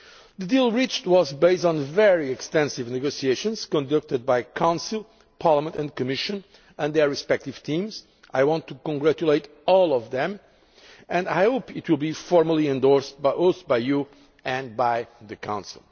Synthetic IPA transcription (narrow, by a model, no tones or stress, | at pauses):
ðɨdilˠɹit͡ʃtwɔzbeɪstn̩vɛɹiɨkstɛ̃nsɪvnɨɡosieɪʃɨ̃nz̥kɔ̃ndʌk̚tɨd̪̚bajkʰãʊ̃nsɪl̩ˠ | pʰɑɹləmə̃ntɨ̃nkɨmɪʃɨ̃n | ɛ̃nðə˞ɹɨspɛk̚tɪv̥t̪ʰĩmz̥ | ʔajwɑ̃ntʰːukɔ̃ŋɡɹæt͡ʃuleɪt | ɔlˠɔvðɛ̃m | ɨ̃ndajhoʊpɪtwɪlˠbifɔɹməlˠiɛ̃ndɔɹsbaosbaɪju | ɨ̃nbaɪðɨkʰã̰ʊ̃nsḭlˠ